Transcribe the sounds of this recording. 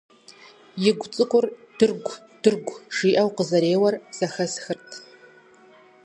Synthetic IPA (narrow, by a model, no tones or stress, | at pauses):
jɪɡʷt͡sʼɨkʷʼʊrd̥ɨrɡʷ | d̥ɨrɡʷʒ̥iːʔɐwqəzɐɾeːwɐrz̥ɐxɐsxɨrtʰ